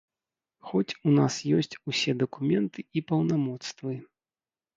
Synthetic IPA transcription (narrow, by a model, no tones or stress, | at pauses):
xɔt͡sʲunasjɔsʲt͡sʲusʲɛd̪ɐkumʲɛnt̪ɨipɐwnamɔt̪st̪vɨ